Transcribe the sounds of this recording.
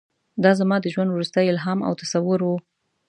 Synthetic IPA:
d̪ɑzamɑd̪əʒwand̪wɾust̪əjɪlɦɑma̰wt̪asawʊɾwu

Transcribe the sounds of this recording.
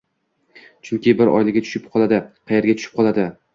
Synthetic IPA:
t͡ʃʰʊŋkʲɪbɪɾɒ̰jlɪɡʲat̪t͡ʃʰʊ̥ʃɪp̚qʰɒlˠad̪ɪqʰɑje̞ɾɡʲat͡ʃʰʊ̥ʃɪ̥p̚qʰɒlˠad̪ɪ

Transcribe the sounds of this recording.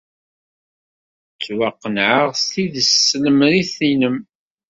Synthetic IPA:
t͡sːwaqːənʕəʁst̪iðəsːləmɾiθinəm

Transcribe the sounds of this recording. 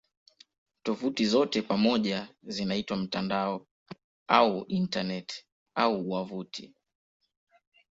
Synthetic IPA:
tɔvutizɔtɛpamɔʄazinaitwam̩tandaɔ | auʔintanɛt | auwavutʰi

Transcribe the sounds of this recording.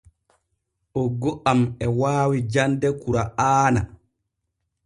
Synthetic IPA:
ʔɔɡɔʔamɛwaːwid͡ʒandɛkuɾaʔaːna̰

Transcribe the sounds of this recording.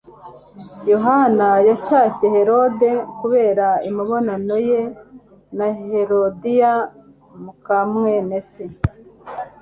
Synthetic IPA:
jo̞ɦanajat͡ʃaːʃe̞he̞ɾo̞de̞kuβe̞ːɾaimiβo̞nano̞je | naɦe̞ɾodija | mukamŋenese

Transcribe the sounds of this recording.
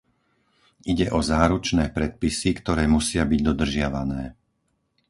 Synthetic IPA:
ʔiɟɛʔɔzaːɾut͡ʃnɛːpɾɛt̪̚pisikt̪ɔɾɛːmusɪabiɟd̪ɔd̪r̩ʒɪaʋanɛː

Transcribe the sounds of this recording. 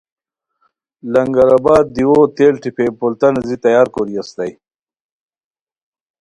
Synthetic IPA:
lɐŋɡɐɾabaːd̪̚ːiwoːt̪eːlʈipʰepolt̪ɐnzit̪ɐjaːɾkoɾiast̪aj

